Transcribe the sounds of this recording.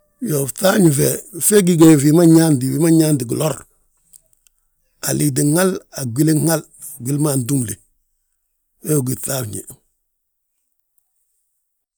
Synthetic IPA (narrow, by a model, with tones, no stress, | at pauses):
jo˨fta˦ɲfefe˦ɡiɡe˨fi˨ma˦ɲa˦ndi˨wi˦ma˦ɲaː˦ndi˨ɡu˨loɾ | a˨li˨di˨ŋala˨ɡi˦le˦ŋa˦l | ɡi˦lmandu˦mlḛ˨ | e˦o˨ɡi˨θaɲḭ˨